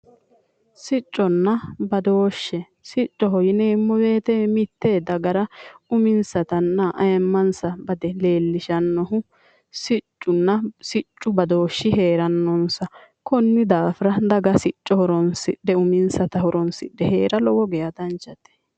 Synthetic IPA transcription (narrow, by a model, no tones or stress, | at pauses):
sɪt͡ʃʼːɔnːɐbɐd̪o̞ːʃːɛ | sɪt͡ʃʼːɔɦɔjɪneːmːɔbeːt̪ɛmɪt̪ːeːd̪ɐɡɐɾɐʊmɪnsɐt̪ɐnːɐʔɐjɛmːɐnsɐbɐd̪ɛle̞ːlːɪʃɐnːɔɦʊ | sɪt͡ʃʼːʊnːɐsɪt͡ʃʼːʊbɐd̪oːʃːɪhe̞ːɾɐnːɔnsɐ | kɔnːɪd̪aːfɾɐd̪ɐɡɐsɪt͡ʃʼːɔhɔɾɔnsɪɗːɛʊmɪnsɐt̪ɐhɔɾɔnsɪ̰ɗːɛhe̞ːɾɐlɔwɔɡɛjɐd̪ɐnt͡ʃːɐt̪ɛ̥